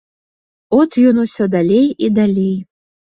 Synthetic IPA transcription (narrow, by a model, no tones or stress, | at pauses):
ɔt̪jɔnusʲɔd̪alʲejid̪alʲej